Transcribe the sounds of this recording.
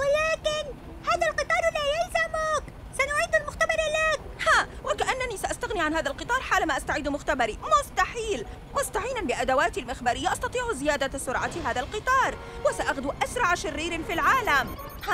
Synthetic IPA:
walaːkɪn | haːðalqɨt̪ˤɑːɾˤlaːjalzamʊk | sanʊʕiːd̪almʊxt̪abɑɾˤlak̚ | haːwakaʔanːanisaʔast̪aɣniʕanhaːðalqɨt̪ˤɑːɾˤħaːlamaːʔast̪aʕiːd̪mʊxt̪abɑɾimʊst̪aħiːl | mʊst̪aʕiːnanbɪʔad̪awaːt̪ilmɪxbaːɾɪjːaʔɑst̪ɑt̪ˤiːʕzɪjaːd̪asʊɾʕat̪ɦaːðalqɨt̪ˤɑːɾˤ | wasaʔaɣd̪uʔasɾˤɑʕaʃɪrːiːɾfilʕaːlam | ha

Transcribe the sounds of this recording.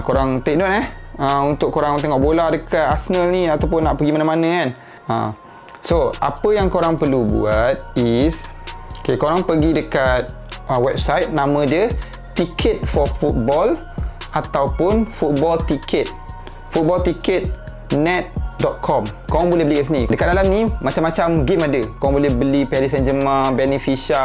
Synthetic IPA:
koɾaŋt̪ek̚not̪̚ɛhəunt̪ʊkːoɾaŋt̪əŋɔʔbolahdəkaasənəlniat̪awp̬ʊnːaʔpəɡimanãmanə̃kan | ə̰̃ | soa̰pəjaŋkoɾaŋpərlubṵat̪̚isokekoɾaŋpəɡidəkat̪̚ | əwɛp̚sajt̪̚nãmə̃diə | t̪ikʰət̪̚fɔfut̪̚bɔl | at̪awpʊnfut̪̚bɔlt̪ikʰət̪̚ | fut̪̚bɔlt̪ikət̪̚ | nɛt̪̚dɔt̪̚kʰɔmkoɾaŋbolɪhbəlikaʔsinidəkat̚dalamnimãt͡ʃamːat͡ʃamɡimadəkoaŋbolihbəlipɛɾisɛnd͡ʒəmãbɛnifiʃa

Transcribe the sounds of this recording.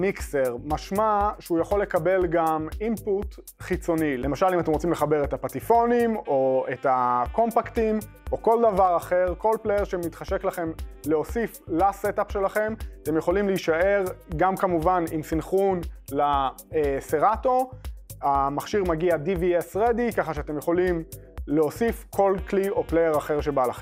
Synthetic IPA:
mikseʁmaʃmaʃujaχo̞lːekabe̞lɡamimput̪ | χit͡so̞nilemaʃalimat̪emʁot͡simleχabe̞ʁet̪apatifo̞nimo̞etako̞mpakt̪im | ʔoko̞ldavaʁaχe̞ʁko̞lpleʁʃemit̪χaʃe̞klaχe̞mleo̞siflasetapʃe̞laχe̞mat̪e̞mjeχo̞limliiʃae̞ʁɡamkamuvanimsinχunla | ese̞ʁato̞amaχʃiʁmaɡiadiviesʁed̪ikaχaʃeat̪e̞mjeχo̞lim | leo̞sifkʰo̞lklio̞plejeʁaχe̞ʁʃe̞balaχem

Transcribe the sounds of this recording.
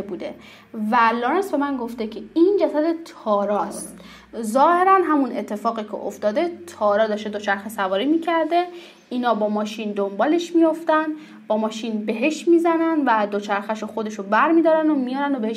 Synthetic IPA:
ebuːd̪e̞̰ | væloːɾensbe̞mænɡo̞ft̪ecʲʰeind͡ʒæsæd̪e̞t̪ʰɒːɾɒːstt̪t̪ | zɒːhe̞ɾænɦæmune̞t̪ʰːe̞fɒːɣicʰḛʔo̰ft̪ɒːd̪e̞t̪ʰɒːɾɒːd̪ɒːʃt̪ed̪ot͡ʃʰæɾxesævɒːɾimiːcʰæɾd̪e̞ | inɒːbɒːmɒːʃind̪ombɒːle̞ʃmijo̞ft̪ænd̪ | b̥ɒːmɒːʃiːnbe̞ɦe̞ʃmiːzænænd̪væd̪ot͡ʃʰæɾxæʃoxo̞d̪e̞ʃobæɾmiːd̪ɒːɾænd̪omijɒːɾænd̪obeheʃ

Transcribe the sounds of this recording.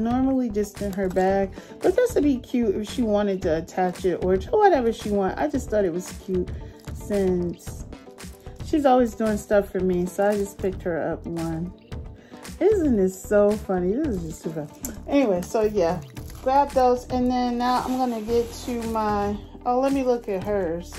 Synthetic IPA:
nɔɹml̩ˠid͡ʒʌstɨ̃nə˞bæk̚b̥ʌt̪̚ðætstɨbikʰj̥ʉɾɪ̰fʃiwɑ̃ɾ̃ɨd̚tʰɨːtʰæt͡ʃɪɾə˞tʰowʌɾɛvə˞ʃiwɑ̃nʔa̰ɪd͡ʒʌsθɔɾɨt̚wʌz̥kʰj̥ʉt̚sɪ̃ns | ʃizɔlˠwizduɪ̃ŋstʌfə˞misoʊaɪd͡ʒʌspʰɪk̚t̚hə˞ʌ̰p̚wʌ̃n | ɪzɨ̃nɪtsoʊfʌniðɪsɨzɨsʉvəʔɛniweɪsoʊjæɡ̥ɹæp̚ðoʊzɨ̃nðɨ̃nːaʊã̰ɪ̃mɡʌnɨɡɛtʰɨmaɪʔoʊlɛt̚milʊkɨt̚ɦə˞z̥

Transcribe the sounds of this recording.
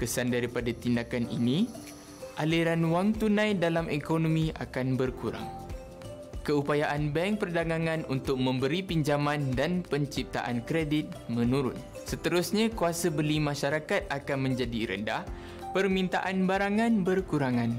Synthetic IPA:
kəsandaɾipadat̪indakanḭnĩ | ʔaliɾanwaŋt̪unãjdalamʔekonomĩa̰kanbərkuɾa̰ŋ | kəupajaʔanbɛŋpərdaɡaŋãnunt̪ʊk̚mə̃mbəɾipiɲd͡ʒamãndanpəɲt͡ʃip̚t̪a̰ʔankɾedit̪̚mə̃nuɾʊn̚ | sət̪əɾʊsɲãkuasabəlimãʃaɾakat̪̚akanmə̃ɲd͡ʒadiɾə̰ndah | pərmĩnt̪aʔanbaɾaŋãnbərkuɾaŋãn

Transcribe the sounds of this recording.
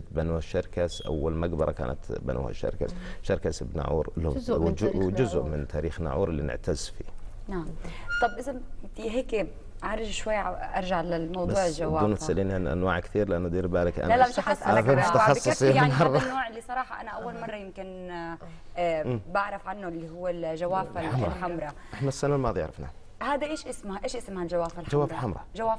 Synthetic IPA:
banuːhaʃaɾˤkasʔa̰wːalmaɡbɑɾˤɑ̰ka̰ːna̰t̪ba̰nṵːha̰ʃa̰ɾka̰sʃɑɾˤkasbna̰ʕṵːɾlwd͡ʒʊzʔmɪnt̪ʰaːɾiːxna̰ʕṵːɾɪlːḭnɪ̰ʕt̪azfḭː | naʕamt̪ˤːɑbʔɪzamfiɦeːk | ʕɑɾˤɪd͡ʒʃwajːʔɑɾˤʒaʕlɪlmɑwd̪ˤuːʕɪlʒawaːuːnmt̪sʔaliːnanʔa̰nwa̰ːʕkt̪iːɾlɪʔanːad̪iːɾbaːlakʔa̰nalamɪʃxɑsˤʔfat̪aʕɑˤːɑsˤijaʕnɑˤːɑnːoːʕɪlːisˤɑɾˤɑːħɑʔanaʔawwːalmɑrˤːɑjɪmkɪn | baʕɾˤɑfʕanːʊɪlːiɦʊwːɪlʒawaːfallħamɾˤɑʔɪħnasːanalmɑːðˤjʕɾɑ̰fna̰ | haːd̪aʔeːʃʔɪsmhʔeːʃʔɪsmhald͡ʒawaːfalħd͡ʒawaːflħamɾˤɑ̰d͡ʒawaːf

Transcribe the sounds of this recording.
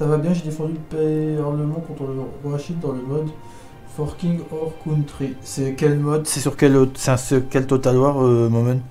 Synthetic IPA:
savabjɛ̃ʒed̪efɑ̃d̪ypeɔʁləmɑ̃kɔ̃t̪χələʁwaʃind̪ɑ̃ləmɔd̪ | fɔʁkʲĩŋɡɔʁkʰunt̪χisɛkʲɛlmɔd̪sɛsyʁkʲɛlosɛ̃sykʲɛlt̪ot̪alwaʁømɔmɛn

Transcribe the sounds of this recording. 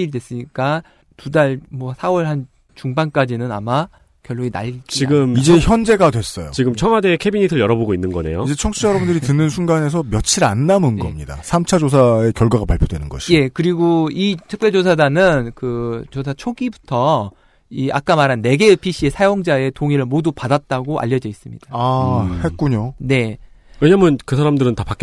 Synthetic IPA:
iɭdwes͈ɯɲik͈a | tudaɭmwʌsʰawʌɭhan | t͡ɕuŋbank͈ad͡ʑinɯna̰ma | kjʌɭːoɡina̰ɭɡiiɡɯmid͡ʑe̞çjʌnd͡ʑe̞ɡadwe̞s͈ʌjo̰t͡ɕiɡɯmt͡ɕʰʌmadekʰebiɲitʰɯɭjʌɾʌboɡoinːɯnɡʌne̞̰joid͡ʑe̞t͡ɕʰʌŋɕʰijʌɾʌbundɯɾitɯnːɯnsʰuŋɡane̞s̬ʰʌmjʌt͡ɕʰiɾanːamunɡʌmɲida̰sʰamt͡ɕʰad͡ʑos̬ʰae̞kjʌɭɡwaɡapaɭpʰjodwenɯnɡʌɕʰi̥je̞kɯɾiɡoitʰɯk̚p͈jeɭd͡ʑosʰadanɯnkɯt͡ɕosʰat͡ɕʰoɡibutʰʌ | ia̰k͈amaɾanːe̞ɡe̞epʰiɕ͈ʰie̞sʰajoŋd͡ʑae̞toŋiɾɯɭmodupadat̚t͈aɡoʔa̰ʎːʌd͡ʑʌis͈ɯmɲḭd̥aahe̞t̚k͈uɲone̞we̞ɲaːmjʌnkɯsʰaɾamdɯɾɯntapak͈e

